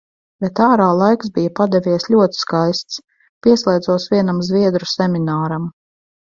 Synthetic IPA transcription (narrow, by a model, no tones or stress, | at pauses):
bet̪aːɾaːlˠajksbijapad̪ɛvʲiɛsʎʲuɔt̪i̥skajst̪s | pʲiɛslˠɛjd̪zuɔsvʲiɛnamzvʲiɛd̪ɾusʲɛmʲinaːɾam